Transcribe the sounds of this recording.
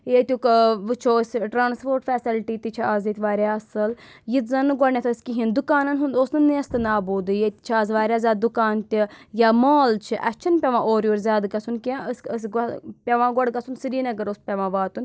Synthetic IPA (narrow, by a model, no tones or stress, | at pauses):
jet̪ʲukʋɨt͡ʃʰoːsʲʈɾaːnspoːɾʈfɛːsilʈiːt̪it͡ʃʰiaːzet̪ʰʲʋaːɾʲjaːɐsɨl | jit̪zɐnɨɡɔɳnʲat̪ʰəsʲkiɦind̪ukaːnɐnɦund̪oːsnɨnːiɐst̪ɨnaːbuːd̪ɨjet̪ʲt͡ʃʰaːzʋaːɾʲjaːzʲaːd̪ukaːnt̪ʲijamaːlt͡ʃʰiʔɐt͡ʃʰinpʲɐʋãːʔoːɾʲjoːɾzʲaːd̪ɡɐsʰunkʲãəsəsɡpʲɐʋãːɡɔɽɡɐsunsiɾiːnɐɡɐɾoːspʲɐʋãːʋaːt̪un